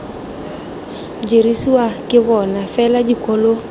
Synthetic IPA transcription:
d͡ʒeɾisuakɪβɔnafɛlad͡ʒikolo

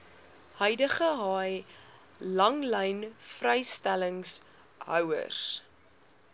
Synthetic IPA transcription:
hœjdəχəɦɑːj | lɐŋləjnfrɛjstæləŋs | ɦœ̰wə̰rs

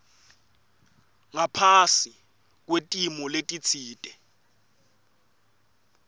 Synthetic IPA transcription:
ŋapʰasi | k̬wetʼimɔletʼit͡sʰiːtʼɛ

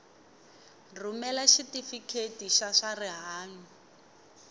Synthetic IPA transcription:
rumɛlaʃitifikʰetiʃaʂariɦaːŋi

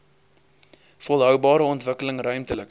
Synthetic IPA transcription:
fɔlˠɦœwbɑːɾəɔntvəkələŋrœɥmtələk

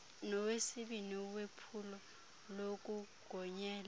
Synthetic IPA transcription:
nɔwesiɓiniwepʰulɔ | lok̬ʼuɡ̥ʱɔɲɛːla

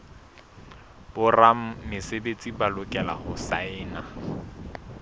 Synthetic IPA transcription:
b̥ʊram̩mɪsebet͡sʼibalʊkʼɛla̰hʊsaɪːna

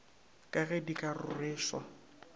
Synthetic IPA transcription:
kʼaɣɛdikʼarʊrɪːʃwa̰

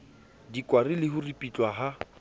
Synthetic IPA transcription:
dikʼwarɪlɪɦʊripʼit͡ɬʼwaɦa

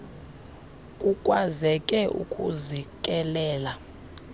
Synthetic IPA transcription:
kʼukʼwazɛkʼɛʔṵkʼuzikʼɛlɛːla

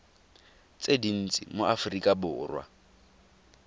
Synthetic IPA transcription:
t͡sʼedin̩t͡sʼḭmoafʊrikʼabʊrwa̰

